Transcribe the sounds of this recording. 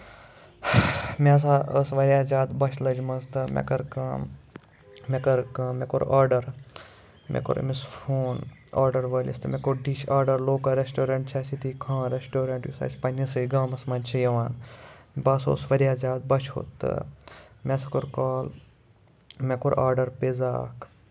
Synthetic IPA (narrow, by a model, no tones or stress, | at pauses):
mʲes̬aəsʋɐɾʲjaːzʲaːd̪bɐt͡ʃʰlɐd͡ʒmɐst̪ɨmʲḛkɐɾkɐː | mekɐɾkãːmeko̰ɾaːɾɖɐɾ | mʔḛko̰ɾ̰mispʰoːna̰ːɾɖɐɾʋɐlʲḭst̪ɨmɛkoɾɖiʃaːɾɖɐɾloːkɐɾesʈoːɾɐɳʈt͡ʃʰɐsit̪ikʰãːɾesʈoːɾɐ̃ɳʈjusɐ̰ːsʲpɐnʲɐsɐiɡãːmɐsmɐːnʲt͡ʃʰɐjɐʋaːnbɐso̰ːsʋɐɾjaːzʲaːd̪̚bɐt͡ʃʰo̰t̪ːɨ̰mʲɛsɐkoɾkaːl | mekoɾʔaːɾɖɐɾpeza̰ːkʰ